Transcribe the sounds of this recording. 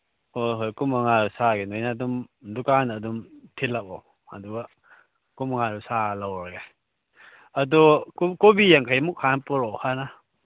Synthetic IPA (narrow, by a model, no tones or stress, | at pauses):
ojɦojkumaŋaɾusaɡenojnadumdukanːdumtʰilakɔ | ɐ̰duɡa | kumaŋaɾusalawɾaɡe | ɐdukkobijaŋkʰajmuk̚hanpɔɾɔhana